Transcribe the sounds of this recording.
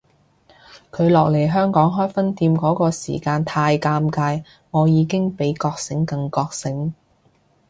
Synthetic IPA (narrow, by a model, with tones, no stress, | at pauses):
kʰɵ˨˧ɥlɔː˨k̚le˨˩jɦœː˥ŋkɔː˨˥ŋɦɔː˥jfɐ˥nt̪iː˧mkɔː˨˥kɔː˧sḭː˨˩kaː˧nt̪ʰaː˧jkaː˧mkaː˧j | ŋɔː˨˧jiː˨˧kɪ˥ŋpe˨˥jkɔː˧k̚sɪ˨˥ŋkɐ˧ŋkɔː˧k̚sɪ˨˥ŋ